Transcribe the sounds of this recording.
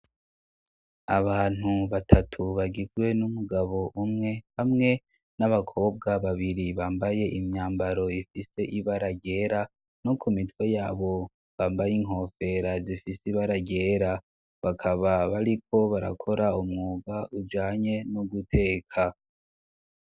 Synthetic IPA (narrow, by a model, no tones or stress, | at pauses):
a̰βaːn̥uβatʰatʰuβaɡizɡwe̞numuɡaβo̞ʔumŋe̞hamŋe̞ | naβakʰo̞ːb̚ɡaβaβiɾiβaːmbaje̞ʔimɲaːmbaɾo̞ifise̞ʔiβaɾaɟe̞ːɾa | no̞kʰumitwe̞jaːβo̞ | βaːmbajiŋɦo̞ːfe̞ɾazifisiβaɾaɟe̞ːɾa | βakʰaβaβaɾikʰo̞βaɾa̰kʰo̞ɾaumŋuːɡaʔud͡ʒaːɲe̞nuɡutʰe̞ːkʰa